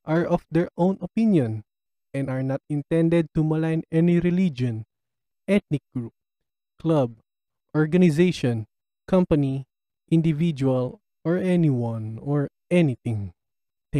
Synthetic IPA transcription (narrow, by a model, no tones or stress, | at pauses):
ʔaɹɔfd̪ɛɹʔõw̃nɔpĩnjɔ̃n | ʔɛ̃naɹnat̪̚ɪ̃nt̪ɛ̃nd̪ɛd̪̚t̪umɐlajnɛniɾɪlid͡ʒɔ̃n | ʔɛt̪̚nɪk̚ɡ̥ɹup̚ | klab̚ | ʔɔɹɡɐnɪzejʃɔ̃n | kãmpɐni | ʔɪ̃nd̪ɪvid͡ʒual | ʔɔɹɛniwãnɔɹ | ʔɛnit̪ɪ̃ŋ | t̪